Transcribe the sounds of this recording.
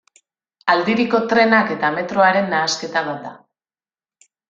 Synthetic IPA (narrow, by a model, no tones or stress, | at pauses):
ald̪iɾiko̞t̪ɾe̞nake̞t̪ame̞t̪ɾo̞aɾe̞nːaːske̞t̪aβad̪a̰